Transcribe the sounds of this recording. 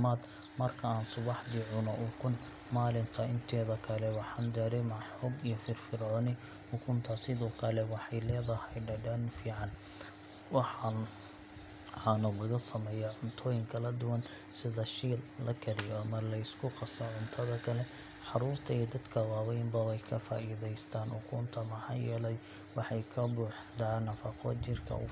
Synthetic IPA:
maːd̪ | mɐrkʰɐaːnsʊβɑħd̪iʕʊnɔʔʊkʰʊn | maːlɪnt̪ʰɐɪnt̪ʰɛːðɐkʰɐlɛwɑħɑːnd̪ɛːɾɛjmɑʕħɔːbijɔfɪrfɪɾʕɔːnɪ | ʊkʰʊnt̪ʰɐsɪðɔːkʰɐlɛwɑħɑjlɛːðɐhɛjɖɐɖɐnfiːʕɑn | wɑħ | ɑnɐlɐɣɐsɐmɛːjaʕʊnt̪ʰɔːjɪŋkʰɐlɐd̪ʊwɐn | sɪðɐʃiːllɐkʰɐɾɪjɔɐmɐlɐɪskʰʊqɑsɔʕʊnt̪ʰɐðɐkʰɐlɛ | ħɑɾuːrt̪ʰɐiːd̪ɐd̪kʰɐwɑːwɛjmbɐwɛjkʰɐfa̰ːʔiːðɛjst̪ʰaːnhʊkʰuːnt̪ʰɐmɑħɑ̰ːjɛːlɛj | wɑħɑjkʰɐbuːħd̪aːnːɐfɐqʰɔ̰t͡ʃɪrkʰɐ̰ʊ̰

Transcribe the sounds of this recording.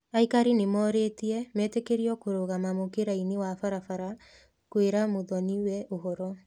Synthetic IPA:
aikaɾinemɔːɾetiɛmɛːtekeɾiɔkoɾoɣamamokeɾainewafaɾafaɾa | kweɾamoðɔniwɛʔoɦɔɾɔ

